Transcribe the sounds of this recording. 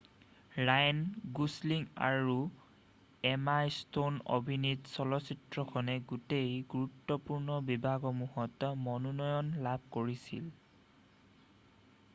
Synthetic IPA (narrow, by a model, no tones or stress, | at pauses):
ɹajnɡusliŋa̰ɹu | ɛmajstono̰bʱinitsɔlɔsitɹɔkʰɔnɛɡutejɡuɹutːɔpuɹnɔbibʱaɡɔmuɦɔtmɔnɔnɔjɔnlab̚ʱkoɹisḭl